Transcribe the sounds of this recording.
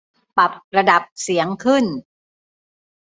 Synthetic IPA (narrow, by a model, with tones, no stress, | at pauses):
pa˨˩p̚ɾa˧da˨˩p̚si˩˦əŋkʰɯ˥˩n